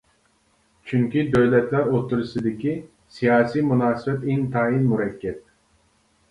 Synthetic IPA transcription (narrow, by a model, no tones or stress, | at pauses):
t͡ʃʰyŋkʲid̪øwlɛt̪læɾot̪ʰːuɾɨsɨd̪ɪkʲi | sijɑːsijmunɑːsɨbɛt̪int̪ʰɑːinmuɾɛkʲːɛt̪̚